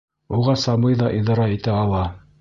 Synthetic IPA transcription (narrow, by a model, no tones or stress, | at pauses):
uʁɑsɑmɤjðɑʔiðɑɾɑit̪æɑlˠɑ